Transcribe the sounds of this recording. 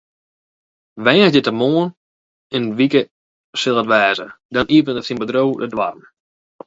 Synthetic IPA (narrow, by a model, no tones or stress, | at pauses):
ʋɛːsdətəmoːən | ɪnʋikə | sɪlˠətʋɛːzə̰dɔniəvənəfsinbədrowdədʋa̰rm